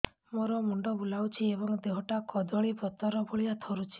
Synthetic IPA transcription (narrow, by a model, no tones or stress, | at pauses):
moɾɔmuɳɖɔbulawt͡ʃʰiebɔŋd̪eɦɔʈakɔd̪ɔɭipɔt̪ɔɾɔbʱoɭiat̪ʰɔɾut͡ʃʰi̥